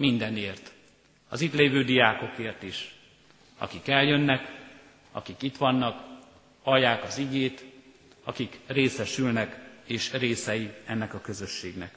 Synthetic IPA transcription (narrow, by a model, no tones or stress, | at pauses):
mind̪ɛneːrt̪ | ɒ̰zit̪leːvøːd̪ijaːko̞keːrt̪iʃ | ɒ̰kikɛljø̞nːɛk | ɒ̰kikit̪ʋɒnːɒk | ɒjːaːkɒziɡeːt̪ | ɒkikreːsɛʃylnɛkeːʃreːsɛjiɛnːɛkɒkø̞zø̞ʃːeːɡnɛ̰k